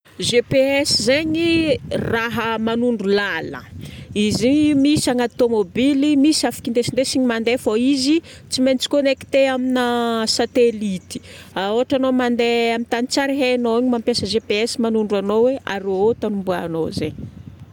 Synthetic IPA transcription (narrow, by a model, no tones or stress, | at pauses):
ʒepeɛsizeɲiraɦəmanuɳɖ͡ʐulalə̰izimisaŋat̪omobilimisafi̥kind̪esind̪esiɲimand̪efoizi | t͡siment͡si̥konekt̪eaminəsat̪elit̪i̥aoaʈ͡ʂanomand̪eamint̪anit͡saɾiɦenoaɲimampjasəʒepeɛsimanuɳɖ͡ʐuanoweaɾoot̪anumbuano̰zḛɲi